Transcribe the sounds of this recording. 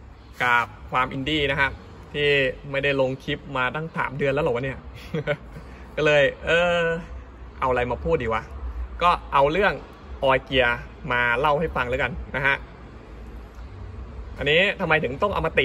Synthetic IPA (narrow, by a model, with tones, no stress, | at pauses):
kaː˨˩p̚kʰwaː˧mʔi˧ndiː˥˩na˦˥kʰa˦˥ | t̪ʰiː˥˩ma˥˩jda˥˩jlo˧ŋkʰi˦˥p̚maː˧t̪a˥˩ŋsʰa̰ː˩˦mdɯ˧ənlɛ˦˥la˨˩wa˧niː˥˩ɐ | kɔː˥˩lɤː˧jʔɤː˧ | ʔa˧wʔa˧la˧jmaː˧pʰuː˥˩t̪̚diː˨˧˩wa˧kɔː˥˩ʔa˧wlɯ˥˩əŋ | ʔɔː˧jki˧ɐ | maː˧la˥˩wha˥˩jfa˧ŋlɛː˦˥ka˧nːa˦˥kʰa˦˥ʔ | ʔa˧nːiː˦˥t̪ʰa˧mːa˧jt̪ʰɯ˩˦ŋt̪ɔ˥˩ŋʔa̰˧wmaː˧t̪i˨˩